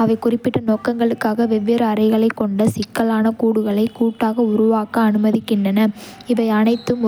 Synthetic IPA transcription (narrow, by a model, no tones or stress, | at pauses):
ɐʋɐɪkʊrɪpːɪʈːɐnoːkɐŋɡɐɭɯkːaːɣɐʋɛʋːeːɾɐːɾɐɪɣɐɭɐɪkːɔɳɖɐsɪkːɐlaːnɐkuːɽɯɣɐɭɐɪkːuːʈːaːɣɐʊɾʊʋaːkɐːnɯmɐðɪkːɪɳdrɐnɐɪʋɐɪɐnɐɪt̪ːɯm